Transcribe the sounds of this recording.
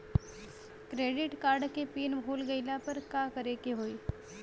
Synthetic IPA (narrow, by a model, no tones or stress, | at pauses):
kɾeːɖɪʈkaːɾɖkepiːnbʱoːlɡɐɪlapɐɾkaːkɐɾeːkeɦoːiː